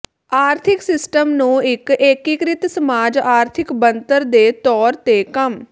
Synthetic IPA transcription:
aːɾt̪ʰɪksɪsʈəmnũːɪkeːkikɾɪt̪səmaːd͡ʒaːɾt̪ʰɪkbənt̪əɾd̪eːt̪ɔːɾt̪eːkəm

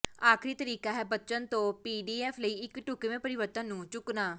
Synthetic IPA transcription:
aːkʰɾiːt̪əɾiːkaːɦɛːbətːt͡ʃənt̪õːpiːɖiːɛːfʰləiːɪkʈʊkeʋẽːpəɾɪʋəɾt̪ə̃nnũːt͡ʃʊknaː

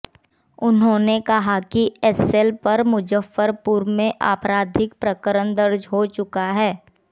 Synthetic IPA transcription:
ʊnɦõːnekɐɦakiɛsɛlpɐɾmʊd͡ʒəfːəɾpʊɾmẽʔa̰ːpɾaːd̪ʱɪk̚pɾəkəɾənd̪ɐɾd͡ʒɦot͡ʃʊkaɦɛː

